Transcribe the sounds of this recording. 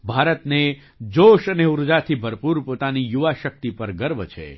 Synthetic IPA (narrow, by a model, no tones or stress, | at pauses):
bʱaɾət̪ne | d͡ʒoʃəneuɾd͡ʒat̪ʰibʱəɾpuɾpot̪anijuʋaʃək̚t̪ipəɾɡəɾbt͡ʃʰḛ